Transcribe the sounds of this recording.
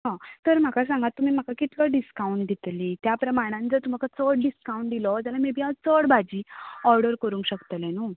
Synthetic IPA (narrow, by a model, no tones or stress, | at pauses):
ɦãt̪əɾm̤akas̬ãŋɡat̪ːum̤iːm̤akakit̪laɖiskauɳʈd̪ʱit̪liːt̪japɾəmaɽ̃ãnt͡sət̪um̤akat͡səɽɖiskaũɳʈ̚d̪ilɔd͡zalamebʱiat͡səɽbʱad͡ʑiːɔɾɖəɾkəɾũŋkɕəkt̪əlɛ̃nu